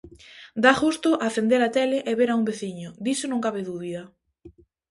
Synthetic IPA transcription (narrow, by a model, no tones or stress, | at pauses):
d̪axust̪ʊʔaθend̪eɾat̪eleʔeβeɾaumbeθiɲʊd̪isonõŋkaβɪðuβiðɐ